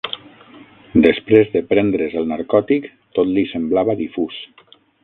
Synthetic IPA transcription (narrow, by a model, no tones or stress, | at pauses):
d̪əspɾezðəpɾend̪ɾəzəlˠnaɾkɔt̪ik | t̪ot̪lisəmblaβəðifus